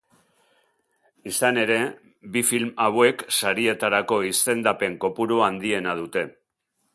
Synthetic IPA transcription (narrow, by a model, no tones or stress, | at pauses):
isane̞ɾe̞ | bifilmawe̞ksaɾie̞t̪aɾako̞ise̞nd̪ape̞ŋko̞puɾuand̪ie̞nað̞ut̪e̞